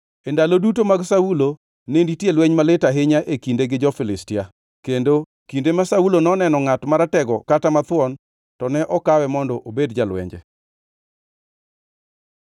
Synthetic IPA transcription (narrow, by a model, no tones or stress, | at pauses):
endalodut̬omaɡsaulo | nenditjelwɛɲmalɪtaɦɪɲaʔekindeɡɪd͡ʒɔfɪlɪstɪja | kendo | kindemasaulonɔnɛnɔŋatmaɾatɛɡɔkatamat̪wɔn | tɔnɛʔɔkawɛmɔndɔʔobedd͡ʒalwɛ̰ɲd͡ʒɛ̰